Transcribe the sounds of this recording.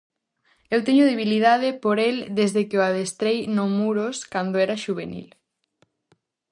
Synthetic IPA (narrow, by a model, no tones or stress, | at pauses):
ewt̪ɛɲʊðeβ̞ilið̞að̞ɪpoɾeld̪ezðekɪoaðest̪ɾejnomuɾoskand̪oɛɾaʃuβ̞enḭl